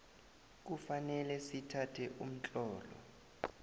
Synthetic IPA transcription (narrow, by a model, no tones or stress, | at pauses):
k̬ufanɛlɛsitʰatʰɛʔum̩t͡ɬʼɔːlɔ̰